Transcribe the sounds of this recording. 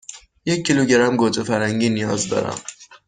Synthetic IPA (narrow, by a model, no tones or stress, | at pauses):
jecʰːiluɟeɾæmɡod͡ʒefæɾhæŋɟiːnijɒːzd̪ɒ̰ːɾæ̰m